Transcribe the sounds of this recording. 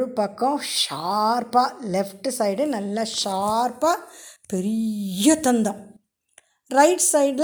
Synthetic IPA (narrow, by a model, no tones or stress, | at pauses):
ɯpɐkːɔ̃ʃaːɾpaːlɛfʈsɐɪɖɯnɐlːɐʃaːɾpaːpɛɾɪjɐt̪ɐnd̪ɐ̃ | ɾɐɪʈsɐɪɖl